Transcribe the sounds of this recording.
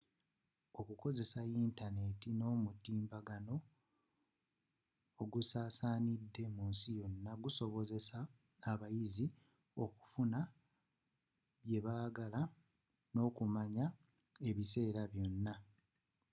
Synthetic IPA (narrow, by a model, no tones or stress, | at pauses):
o̞kuko̞ze̞saiːntane̞tino̞ːmutiːmbaɡano̞ | ɡusaːsaːnidːe̞munsijo̞nːaɡuso̞βo̞ze̞saː | βajizi | o̞ku̥funa | βje̞βaːɡala | no̞ːkumaɲa | e̞βise̞ːɾaβjo̞nːa